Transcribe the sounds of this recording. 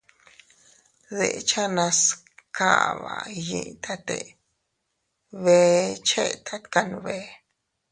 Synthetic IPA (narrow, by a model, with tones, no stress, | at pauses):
ðḛ˨ʔt͡ʃa˦nã˧s | ka̰˦˨βa̰˨jḭ̃˧˨ʔt̪ʰa˦t̪ḛ˨ | βe˧t͡ʃe˦˧˨t̪ʰa˧ka˧ñ˧βe˧